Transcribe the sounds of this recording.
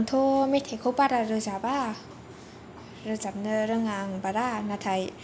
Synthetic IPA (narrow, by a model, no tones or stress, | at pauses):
nt̪ʰomet̪ʰekʰopaɾaɾɯzaba | ɾɯzap̚nɯɾɯŋaŋbaɾanat̪ʰaj